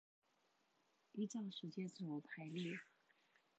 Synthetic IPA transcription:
i˥ʈ͡ʂɑ˥˩ŋʂɻ̩˧˥t͡ɕjɛ˥t͡s̩˨˩o˧˥˩pʰa˧˥ɪli˥˩

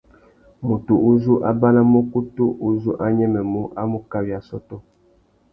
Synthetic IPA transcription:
mu˨tu˨u˦zu˦ʔa˦ba˦la˦mo˦ku˦tu˦ʔu˦zu˦ʔa˦ɲɛ˦mɛ˨mu˦ʔa˦mu˦ka˦wi˨a˨sɔ˦tɔ˦

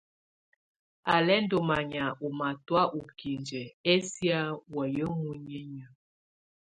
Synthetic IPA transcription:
a˨lɛ˦n˦do˨ma˨ɲa˨u˨ma˨twa˦ʔu˨ki˨nd͡ʒɛ˨e˦sja˦wə˨jə˦ŋu˦ɲi˦ɲə˨

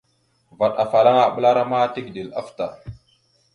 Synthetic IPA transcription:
va˨ɗa˨fa˨la˦ŋa˨ɓə˦la˦ɾa˦ma˦ti˦kdi˨la˦fta˨

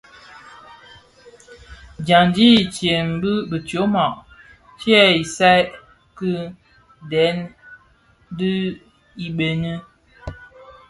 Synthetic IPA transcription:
d͡ʒa˨ndi˦˨t͡ʃjɛ˨nbə˦bə˨tjo˨˦ma˨ʔ | t͡ʃjɛ˦i˨sa˦j | kɨ˦ | dɛ˨˦n˦ | dɨ˦ | i˨ɓe˨nə˦

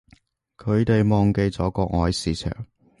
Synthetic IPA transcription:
kʰɵ˨˧ɥt̪e˨jmɔː˨ŋke˧jt͡sɔː˨˥kɔː˧ŋɔː˨˧jsiː˨˧t͡ʃʰœ̰ː˨˩ŋ

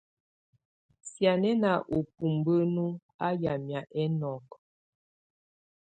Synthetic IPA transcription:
sja˨nɛ˦na˨ʔo˨pu˨mbə˦nu˦ | a˦ja˨mja˨ʔɛ˦nɔ˨k

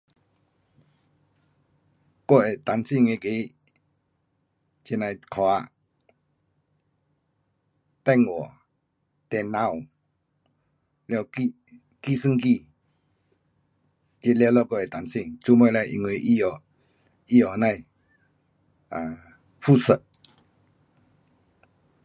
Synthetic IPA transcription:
kɔ˧ɛ˨t̪a˨˦nsi˧˨ŋe˧˨ke˧˦ | t͡ɕi˧˨na˧˨jkʰɔ˨˧a̰˧˨ | t̪a˧˨ŋɔ˨ | t̪ɛ˨na˧˨w | lɛ˧˨wki˧ | ki˦˨sɨ˧ŋki˥˧˨ | t͡ɕe˧lɛ˧˨wlɔ˧˨kɔ˧˨ɛ˨t̪a˨nsi˧˨ŋt͡su˧˦mɔ˧˨la˧jʔḭ˨ŋe˨ʔi˦˧˨jɔ˨ | i˧ɔ˨na˧˨j | a˨ | pʰu˥˨sə˧˨ʔ

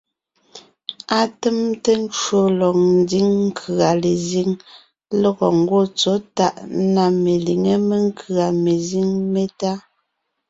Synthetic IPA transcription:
a˦te˦mte˦n̩˦t͡ʃwo˦lɔ˨ŋ̚n̩˦di˦ŋŋ̩˦kʰa˨le˨zi˦ŋ | lɔ˦ɣɔ˨ŋ̩˦ɡwo˦t͡sɔ˨˦ta˦˨ʔna˨me˨li˨ŋe˦me˦ŋ˦kʰɰa˨me˨zi˦ŋme˦ta˦

